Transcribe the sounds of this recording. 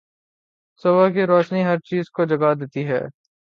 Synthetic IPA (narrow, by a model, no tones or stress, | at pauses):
sɐbakiɾɔːʃniɦɐɾt͡ʃiːzkod͡ʒɐɡad̪eːt̪iɦɛ̰ː